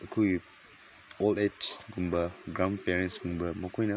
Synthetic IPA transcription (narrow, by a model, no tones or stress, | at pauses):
əkʰuju | ɔldɛt͡ʃɡumbəɡɹãmpɛɹɛ̃nsɡũmbəmɔkĩna